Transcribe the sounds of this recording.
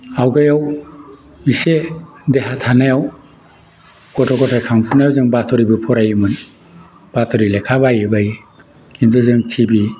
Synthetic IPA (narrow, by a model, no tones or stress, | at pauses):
awɡajaw | isedeɦatʰanajaw | kɔtʰɔkɔtʰajkʰaŋpʰunajawzɯŋbatʰɔɾibɯpʰɔɾajɯmɯn | b̥atʰɔɾilekʰabajɯbaji | kʰinduzɯŋtʰibi